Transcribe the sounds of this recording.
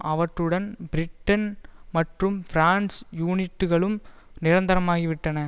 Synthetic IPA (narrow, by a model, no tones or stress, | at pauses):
ʔɐʋɐʈrɯɽɐnbɪɾɪʈːɐnmɐʈrɯmfɪɾaːnsjuːnɪʈːɯɣɐɭɯm | nɪɾɐnd̪ɐɾɐmaːɣiʋɪʈːɐnɐ